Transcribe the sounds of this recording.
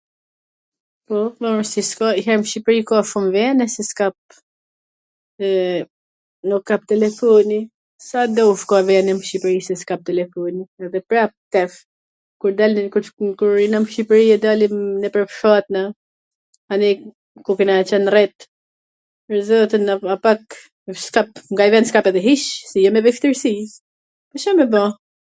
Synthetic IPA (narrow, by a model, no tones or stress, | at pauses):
pɔvɔmsiskaiɦɛɾmʃipɾikɔʃumvɛnɛsiskap̚ | nukːap̚t̪ɛlɛfɔni | sad̪ɔfkɔvɛnɛmʃipɾisɛskap̚t̪ɛlɛfɔniɛðɛpɾapt̪ɛf | kuɾd̪alkukuɾinamʃipɾiɛd̪alimnɛpɾɛpʃat̪na | ani | kukɛnat͡ʃɛnrɛt̪ | pəɾzɔt̪ənaapak | skapŋɡaivɛnskapɛðɛɦiʃsɛjɔmɛvɛft̪əɾsi | paʃamɛba